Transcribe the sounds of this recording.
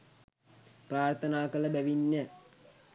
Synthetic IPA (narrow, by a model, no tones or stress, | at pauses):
praːrt̪ʰənaːkələbæʋinːə